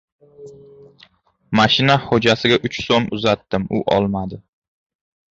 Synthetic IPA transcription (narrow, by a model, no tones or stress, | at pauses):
maʃɪnahod͡ʒasɪɡʲaʔʊt͡ʃsomʊzat̪ːɪmʊʔɒ̰lˠmad̪ɪ